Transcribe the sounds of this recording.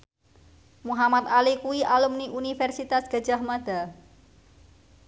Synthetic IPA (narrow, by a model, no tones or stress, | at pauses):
muɦamat̪̚alikuiʔalumniʔunifɛrsit̪asɡ̥a̤̥ʒ̥ahmad̪̥a̤